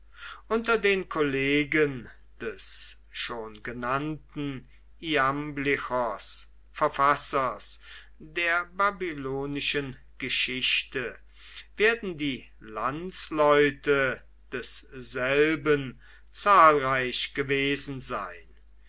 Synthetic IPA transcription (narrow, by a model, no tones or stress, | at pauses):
ʔʊntɐdeːnkʰoleːɡən | d̥ɛs | ʃoːnɡənantn̩ | iamblɪxɐs | fɛɐfasɐs | deːɐbabiloːnɪʃən | ɡ̥əʃɪɕtə | veːɐdn̩diː | lant͡slɔʏtə | d̥ɛsz̥ɛlbən | t͡saːlʁaɪɕɡ̥əveːzn̩za̰ɪn